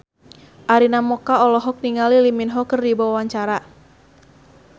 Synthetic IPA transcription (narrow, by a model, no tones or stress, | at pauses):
ʔaɾinamɔkaɔlɔɦɔk̚niŋaliliminɦɔkərdibawawaɲt͡ʃaɾa